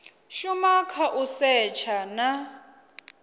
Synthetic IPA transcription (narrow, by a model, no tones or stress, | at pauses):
ʃumakʰaʔʊsɛt͡ʃʰana